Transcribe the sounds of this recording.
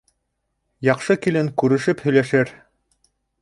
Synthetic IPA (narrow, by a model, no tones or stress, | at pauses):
jɑqʃɤkilɘŋkʉɾɘ̆ʃɘphɵ̆jlæʃæɾ